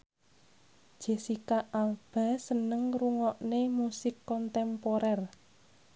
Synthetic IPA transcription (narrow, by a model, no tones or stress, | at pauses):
d̥ʒ̥e̤sikaʔalb̥a̤sənəŋruŋɔʔnemusɪkːɔnt̪ɛmpoɾɛr